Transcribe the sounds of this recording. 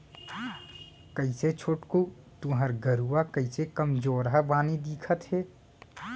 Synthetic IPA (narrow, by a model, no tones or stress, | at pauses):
kəɪset͡ʃʰoːʈku | t̪uɦəɾɡəɾuakəɪsekəmd͡ʒoːɾɦəbaːnid̪iːkʰət̪ɦɛː